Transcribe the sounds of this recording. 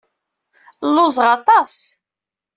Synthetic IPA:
lːʊzʁɑt̪ˤɑs

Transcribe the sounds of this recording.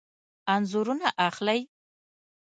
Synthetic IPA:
anzʊɾunaʔaxlaj

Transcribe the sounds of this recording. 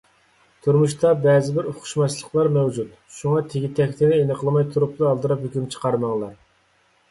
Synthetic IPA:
t̪ʰuɾmuʃt̪ʰɑbɛːzɪbɪɾoqʰʊ̥ʃmɑt͡ʃlˠəqlˠɑɾmɛwd͡ʒut̪ | ʃuŋɑt̪ʰeɡʲit̪ʰɛkʲt̪ʰɪnɪenɨqʰəlˠmɑjt̪ʰuɾup̚t̪ɨːlˠd̪ɨɾɑphøkʲymt͡ʃʰə̥qʰɑɾmɑŋlˠɑ

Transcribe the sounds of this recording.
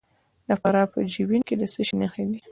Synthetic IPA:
d̪afaɾɑpə̰d͡ʒibinked̪əsəʃinəxed̪i

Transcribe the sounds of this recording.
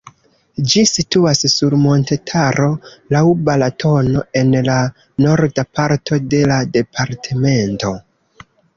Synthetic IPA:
d͡ʒisituassuɾmo̞ntetʰaɾo̞lawubalatʰo̞no̞e̞nla | no̞ɾdapaɾtʰo̞de̞lade̞pʰaɾtʰeme̞nto̞

